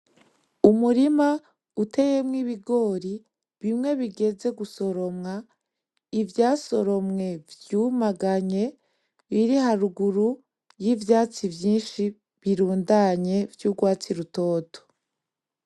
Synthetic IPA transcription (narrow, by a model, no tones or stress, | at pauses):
umuɾima | ute̞jemŋiβiɡo̞ːɾi | βimŋe̞βiɡe̞ze̞ɡuso̞ɾo̞mŋa | ivjaːso̞ɾo̞mŋe̞vjuːmaɡaɲe̞ | βiɾiɦaɾuɡuɾu | jivjaːt͡sivjiːnʃi | βiɾuːndaɲe̞vjuːɡwaːt͡siɾuto̞ːto̥